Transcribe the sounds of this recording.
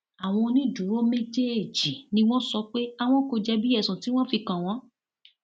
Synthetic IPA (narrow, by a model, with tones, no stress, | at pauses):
a˨w̃ɔ̃˧nĩ˦dũ˨˦ɾo˦me˦d͡ʒe˦e˨d͡ʒi˨nĩ˧w̃ɔ̃˦sɔ˧k͡pe˦a˧w̃ɔ̃˦ko˧d͡ʒɛ˧bi˦ɛ˦˨sũ˨ti˨˦w̃ɔ̃˦fi˧kã˨w̃ɔ̃˨˦